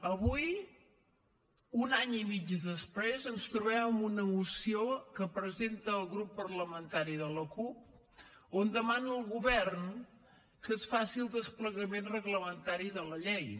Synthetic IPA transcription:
əβuj | unaɲimid͡ʒəzðəspɾezənst̪ɾuβɛməmunəmusiokəpɾəzent̪əːlˠɣɾupːərləmənt̪aɾiðələkup̚ | ond̪əmanəlˠɣuβɛrn | kesfasilˠd̪əspləɣəmenrəɣləmənt̪aɾiðələʎɛj

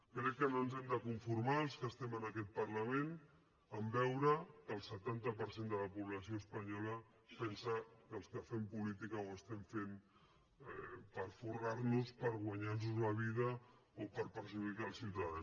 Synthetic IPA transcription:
kɾɛkːənonzɛmd̪əkuɱfuɾmaəlˠskəst̪ɛmənəkɛt̪̚pəɾləmen | əmbɛwɾəkəlˠsət̪ant̪əpəɾsend̪ələpuβləsioəspəɲɔlə | pɛnsəkəlˠskəfɛmpulit̪ikəoəst̪ɛmfem | ɛpəɾfurarnuspəɾɣwaɲarnuzləβiðə | opəɾpəɾʒuðikaəlˠsiwt̪aðan

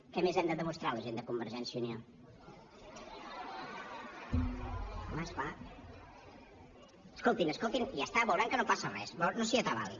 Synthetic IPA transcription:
kɛmezɛmd̪əðəmust̪ɾaləʒend̪əkumbəɾʒɛnsjunio | komasfa | əskolˠt̪inəskolˠt̪iniast̪aβəwɾaŋkənopasərɛ̰sownosiət̪aβa̰lḭ

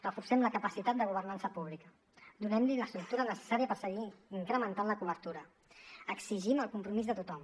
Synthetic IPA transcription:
rəfuɾsɛmləkəpəsit̪at̪̚d̪əɣ̞uβ̞ərnansəpuβ̞likə | d̪unɛmliləst̪ɾuk̚t̪uɾənəsə̥saɾiəpəɾsəɣiiŋkɾəmənt̪anləkuβəɾt̪uɾə | əksiʒiməlˠkumpɾumizðət̪ut̪ɔm

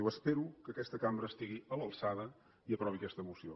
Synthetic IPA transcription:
iwəspeɾukəkɛst̪əkambɾəːst̪iɣiələlˠsaðə | iəpɾɔβiəkɛst̪əːmusio̰

